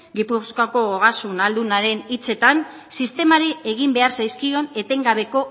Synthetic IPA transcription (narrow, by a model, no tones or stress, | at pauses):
ɡipuskako̞oɣasunald̪unaɾe̞nit͡se̞t̪an | sist̪e̞maɾie̞ɣ̞imbe̞aɾsajskio̞ne̞t̪e̞ŋɡaβe̞ko̞